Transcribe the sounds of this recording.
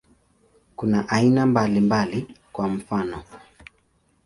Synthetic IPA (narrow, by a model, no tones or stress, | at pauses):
kunaʔainambalimbalikwam̩fanɔ